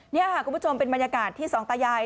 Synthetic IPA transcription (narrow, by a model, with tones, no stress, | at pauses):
ni˥˩ɐɦa˨˩ku˧pʰt͡ɕʰo˧mpe˧nba˧nja˧kaː˨˩t̪ʰːiː˥˩sɔː˩˦ŋt̪aː˧jaː˧j